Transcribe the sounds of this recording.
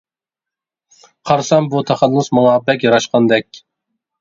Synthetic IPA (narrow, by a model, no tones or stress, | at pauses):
qʰɑɾsɑmbut̪ʰɛχælˠːʊsmɑŋɑbɛk̬ʲjɑɾɑʃqɑnd̪ɛkʲ